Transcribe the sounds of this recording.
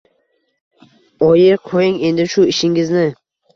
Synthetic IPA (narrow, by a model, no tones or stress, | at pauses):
ɒjɪqʰojɪŋe̞nd̪ɪʃʊɪʃɪŋɪznɪ